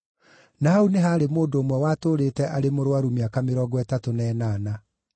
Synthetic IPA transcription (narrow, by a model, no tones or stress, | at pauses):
naauneɦaːɾemoːndoːmwɛwaːtoːɾetɛʔaɾemoɾwaɾumeakameɾɔɡɔɛtatonɛːnaːna